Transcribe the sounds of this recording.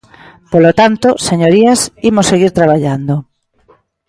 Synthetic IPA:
polot̪ant̪oseɲoɾiasimosːeɣiɾt̪ɾaβaʎand̪o

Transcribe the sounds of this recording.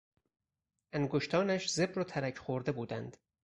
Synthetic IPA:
ʔæŋɡoʃt̪ʰɒːnæʃze̞bɾot̪ʰæɾæcʰχoɾd̪e̞buːd̪ænd̪̥

